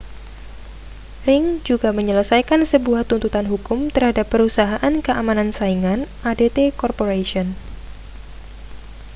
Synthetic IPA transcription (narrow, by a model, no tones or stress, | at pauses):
rɪŋd͡ʒuɡaməɲələsajkansəbuaht̪unt̪ut̪anɦukʊmt̪ərhadapːəɾusaɦaʔankəʔamanansaiŋan | adet̪ekɔrpoɾaʃiɔn